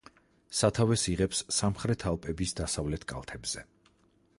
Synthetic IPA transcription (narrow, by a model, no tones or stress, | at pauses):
sat̪ʰavɛsiʁɛpsːamχɾɛt̪ʰalˠpʼɛbisd̪asavlɛt̪ʰkʼa̰lˠt̪ʰɛbz̥ɛ